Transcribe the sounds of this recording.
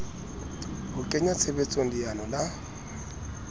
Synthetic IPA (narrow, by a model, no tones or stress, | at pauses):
bʊkʼeɲat͡sʰebet͡sʼoŋ̩dijanɔla